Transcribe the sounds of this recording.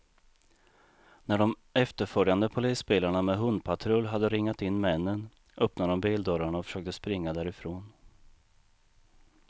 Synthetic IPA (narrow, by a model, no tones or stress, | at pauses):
næɖɔm | ɛft̪əɾfœɾjand̪əpʰʊliːsbeːlaɳamɛɦɵnd̪̚pʰat̪ʰɾɵlːɦad̪ːəɾɪŋːat̪ɪnːmɛnːən | ʔœpnad̪ɔmbiːld̪œɾaɳaɔfœ̥ʂøːk̚t̪əspɾɪŋːad̪æːɾɪfɾoːn